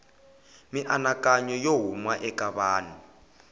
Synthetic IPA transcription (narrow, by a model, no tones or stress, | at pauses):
miʔanakʼaɲɔjoɦumwaʔɛkʼaβaːni